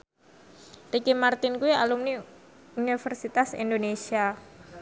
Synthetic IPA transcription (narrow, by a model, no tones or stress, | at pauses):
rikimart̪ɪnkuia̰lumni | unifərsit̪asḭnd̪onesia